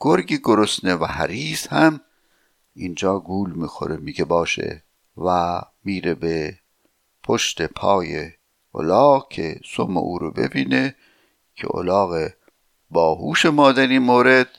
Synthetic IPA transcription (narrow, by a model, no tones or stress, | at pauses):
ɡ̥oɾɡiːɡoɾosnevæhæ̰ɾiːzhæm | ind͡ʒɒːɡuːlmiːxo̰ɾemiɡebɒːʃḛ | væ | miːɾebe | pʰoʃt̪epʰɒːje | o̰lɒːɣkʰḛsomḛʔuːɾobḛbiːne | cʰḛʔo̰lɑːɣe | bɒːɦuːʃemɒːd̪æninmoːɾed̪̥